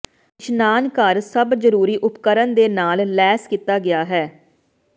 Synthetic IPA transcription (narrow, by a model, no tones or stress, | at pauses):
ɪʃnaːnkəɾsəbzəɾuːɾiːʔʊpkəɾənd̪eːnaːllɛːskit̪aːɡɪjaːɦɛː